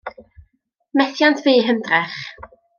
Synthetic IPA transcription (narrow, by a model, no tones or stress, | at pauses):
mɛθjantʰviːɦəndrɛχ